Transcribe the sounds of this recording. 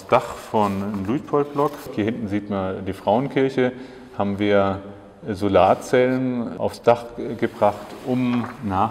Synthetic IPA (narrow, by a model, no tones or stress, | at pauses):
sd̥aχfɔnlut̚pʰɔltb̥lɔkhiːɐhɪntn̩ziːtmandiːfʁ̥aʊənkʰɪɐçə | haːbm̩viːɐ | zolaːtt͡sɛlənʔa̰ʊfsd̥aχɡ̥əbʁaχtʔʊmnaː